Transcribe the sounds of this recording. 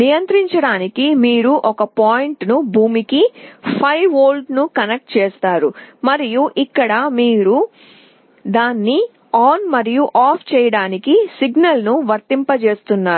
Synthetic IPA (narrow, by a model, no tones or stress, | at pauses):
nijɐnt̪ɾiɲt͡ʃɐɽaːnikimiːɾuʔɔkɐpaːjɳʈnubʱuːmikipʰɐjʋoːlɖnukɐnek̚ʈ̚t͡ʃeːst̪aːɾumɐɾijuʔikːɐɽɐmiːɾu | d̪aːnːi | aːnmɐɾijuʔaːpʰt͡ʃɛːjɐɽaːnikisiɡnɐlnuʋɐɾt̪impɐt͡ʃe̞ːst̪unːaː